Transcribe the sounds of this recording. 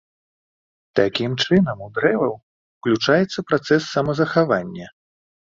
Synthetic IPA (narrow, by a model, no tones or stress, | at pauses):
t̪akʲimt͡ʂɨnɐmud̪ɾɛvɐw | uklʲut͡ʂajɛt̪sːɐpɾat̪sɛsːɐmɐzɐxavanʲːɐ